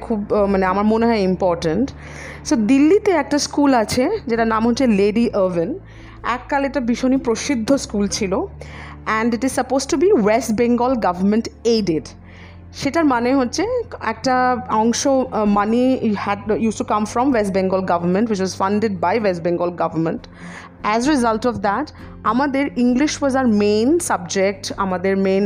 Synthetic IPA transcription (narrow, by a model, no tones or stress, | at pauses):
kʰubmaneamaɾmoneɦɔeimpɔɾʈəɳʈ | sod̪ilːit̪eɛk̚ʈaskulat͡ɕʰed͡ʑeʈanamɦotːɕʰeleɖiʔəven | ɛkːaleʈabiʃonipɾoʃid̪ʱːoskult͡ɕʰilo | ɛ̃ɳɖiʈiz̥sɐpozʈubiwesʈ̚bẽŋɡɔlɡavɐɾmẽɳʈeɖeɖ | ʃeʈaɾmaneɦotːɕʰeɛk̚ʈaɔ̃ŋʃomanihɛɖjusʈukãmfɾɔ̃mwesʈbɛ̃ŋɡɔlɡavəɾmẽɳʈwɪt͡ʃwɔzfʌ̃ɳɖeɖ̚bajwesʈbẽŋɡɔlɡavəɾmẽɳʈ | ɛzɾizalʈɔfd̪æʈ | amad̪eɾĩŋɡliʃwɔzaɾmẽːnsʌb̚d͡ʑek̚ʈamad̪eɾmẽn